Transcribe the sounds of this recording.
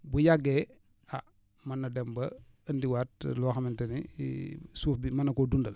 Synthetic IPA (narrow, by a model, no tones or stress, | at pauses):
bujaɡːɛ | a | mɐnːɐdɛmbɐ | əndiwaːt̚lɔːxɐmɛntɐni | suːfbimɐnːɐkɔdundɐl